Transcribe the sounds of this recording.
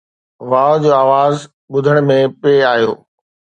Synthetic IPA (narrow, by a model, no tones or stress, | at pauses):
ʋaːd͡ʑoːaːʋaːz | ɓʊd̪ʱəɽ̃mẽpeːaːijo̰ː